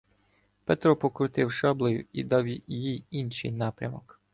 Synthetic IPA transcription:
pɛt̪ɾɔpɔkɾʊt̪ɪwʃɑblˠɔjʊ̰ḭd̪ɑwjijijinʃɪ̰jnɑpɾʲɐmɔk

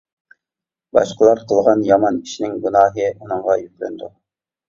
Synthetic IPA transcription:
bɑ̰ʃqəlˠɑɾqʰəlˠʁɑnjɑmɑniʃnɪŋɡunɑːɦɨunɨɴʁɑjykʲlɛ̰nd̪u

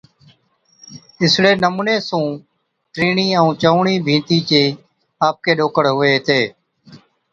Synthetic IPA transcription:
ɪsɽeːnəmuːnẽːsũː | ʈɾiːɳiːəũːt͡ʃəuɳiːbʱĩːt̪iːt͡ʃeː | aːp̚keːɗoːkəɽɦʊʋeːɦt̪eː

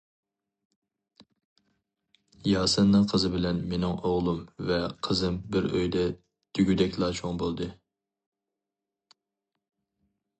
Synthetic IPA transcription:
jɑːsɨnːɨŋqʰəzɨbɪlɛnmenɪŋoʁlˠumvɛqʰəzɨmbɪɾøjd̪ɛ | t̪ʰyɡʲyd̪ɛkʲlˠɑːt͡ʃʰoŋbolˠd̪ɨ

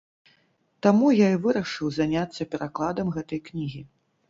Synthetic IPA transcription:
t̪amujaivɨɾɐʂɨwzanʲat̪sːɐpʲɛɾaklˠad̪ɐmɣɛt̪ɐjknʲiɣʲi

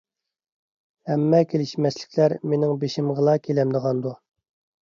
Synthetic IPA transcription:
hɛmːɛkʲʰelɪʃmɛslɪ̥kʲʰlæɾmenɪŋbeʃɪmʁəlˠɑkʲʰelɛmd̪əʁɑnd̪u

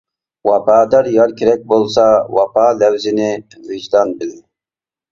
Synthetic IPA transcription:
wɑpʰɑːd̪ɑɾjɑɾkʲʰeɾɛk̚ʲbolˠsɑwɑpʰɑːlæwzɪnɪvid͡ʒd̪ɑnbɪlɪ

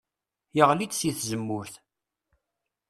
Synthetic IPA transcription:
jəʁlit͡sːsiθzəmːʊɾθ

